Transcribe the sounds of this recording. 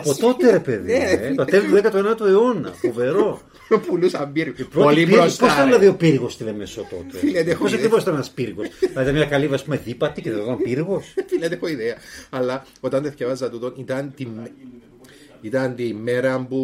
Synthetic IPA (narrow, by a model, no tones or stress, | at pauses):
ɐpoo̞t̪eɾe̞peðiet̪oɐt̪elt̪uðekɐt̪uenɐt̪ueo̞nɐ̰fove̞ɾo̞ | pulusɐmbiɾɣoipɾoolipɾosposit̪ɐðilɐðio̞piɾɣost̪iðemesot̪o̞̰t̪efilet̪eos̬ɐkɾivo̞sit̪ɐnnɐspiɾɣosilɐit̪ɐmɲɐkɐlivɐspumeðipɐt̪iceðeot̪ɐmpiɾɣo̞sfilet̪eexoiðeɐɐlːɐ | ot̪ɐnt̪eθkevɐzɐt̪ut̪onit̪ɐnt̪im | it̪ɐnt̪imːeɾɐmbu